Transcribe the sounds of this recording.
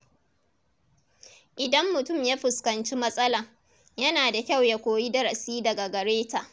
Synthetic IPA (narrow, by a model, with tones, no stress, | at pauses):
ʔɪ˨dɐ˦mːʊ˨tʊ˦˨mjaː˦ɸɪ˨skɐ˨nt͡ʃi˦mɐ˦sʼɐ˦la˨ | jɐ˦naː˨da˨kʲa˦˨wja˨kʷoː˨ji˦dɐ˦ɾɐ˨siː˦dɐ˨ɡa˨ɡɐ˨ɽeː˦taː˨